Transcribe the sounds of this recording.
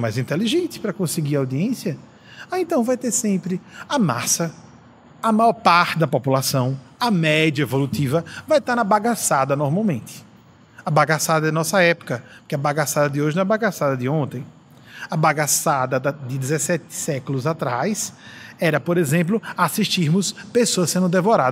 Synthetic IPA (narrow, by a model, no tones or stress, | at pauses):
majzĩnt̪eliʒẽnt̪ɪ̥pɾɐkõsɪɡiɾawd̪iẽsjɐ | aẽnt̪ɐ̃w̃vajt̪eɾsẽmpɾɪɐmasɐ | ɐmajɔɾpaɾt̪ɪd̪ɐpopulasɐ̃w̃ɐmɛdjɐevolut̪ivɐvajt̪aɾnɐbaɡasad̪ɐnoɾmawmẽnt̪ɪ̥ | ɐbaɡasad̪ɐd̪ɪnɔsɐɛpʊ̥kɐpkɪɐbaɡasad̪ɐd̪ɪoʒɪñɛbaɡasad̪ɐd̪ɪõnt̪ẽj̃ | ɐbaɡasad̪ɐd̪ɐd̪ɪd̪ɪzesɛt̪ɪ̥sɛkʊlʊzat̪ɾajsɛɾɐpoɾezẽmp̬lʊasiʃtiɾmʊspesoɐsẽnd̪ʊd̪evoɾad̪